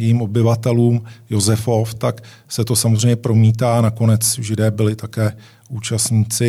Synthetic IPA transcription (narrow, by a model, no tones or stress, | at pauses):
iːmʔo̞bɪvat̪ɛluːmjo̞zɛfo̞ft̪ak | sɛt̪o̞samozr̝ɛjɲɛpɾo̞miːt̪aːnakonɛt͡sʒɪdɛːbɪlɪt̪akɛː | uːt͡ʃast̪ɲiːt͡sɪ